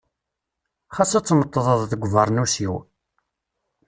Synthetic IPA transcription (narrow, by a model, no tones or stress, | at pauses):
χasæt͡sːmət̪ˤːðˤəðˤθəɡʷvɑɾˤnusiw